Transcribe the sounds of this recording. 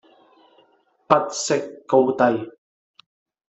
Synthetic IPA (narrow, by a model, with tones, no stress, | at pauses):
pɐ˥t̚sɪ˥kːo˥˧wt̪ɐ˧j